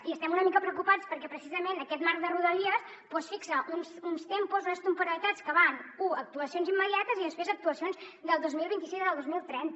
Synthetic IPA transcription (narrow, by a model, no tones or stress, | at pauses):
iəst̪ɛmunəmikəpɾəwkupat͡spəɾkɛpɾəsizəmenəkɛt̪maɾðəruðəliəs | pɔsfiksəʔunsunst̪empuzonəst̪əmpuɾəlit̪at͡skəβanuək̚t̪uəsionzimːəðiat̪əziðənspɾezək̚t̪uəsionzd̪əlˠd̪ozmilˠβint̪isizəlˠd̪ozmilˠt̪ɾɛnt̪